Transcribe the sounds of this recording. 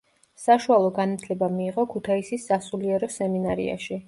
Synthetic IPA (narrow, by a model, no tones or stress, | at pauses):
saʃualˠɔɡanat̪ʰlɛbamiːʁɔkʰut̪ʰaisisːasuliɛɾɔsɛminaɾḭa̰ʃi